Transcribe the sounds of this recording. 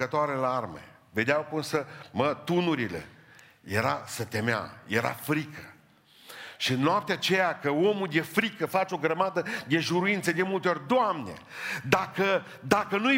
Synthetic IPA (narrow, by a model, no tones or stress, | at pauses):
ət̪oaɾelaarmḛ | ve̞d̪eawkunsəmət̪unuɾile̞̰ | jeɾasət̪e̞mea̰jeɾa̰fɾikə | ʃiɨnːoap̚t̪eat͡ʃe̞jakəo̞mulje̞fɾikəfat͡ʃeo̞ɡɾəmad̪əd̪e̞ʒuɾuint̪səd̪emult̪eo̞rʲd̪oamne̞̰d̪akə | d̪akənu